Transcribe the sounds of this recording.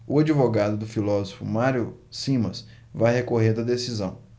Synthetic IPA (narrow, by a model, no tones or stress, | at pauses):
ʊad͡ʒivoɡad̪ʊd̪ʊfilɔzofʊ̰maɾjʊsĩmɐs | vajhekoɦẽnd̪ɐd̪esizɐ̃w̃